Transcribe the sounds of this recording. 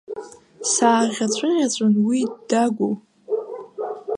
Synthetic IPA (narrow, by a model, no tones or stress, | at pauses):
saːʁʲat͡ɕʷʼɨʁʲat͡ɕʷʼʊnwidaɡʷo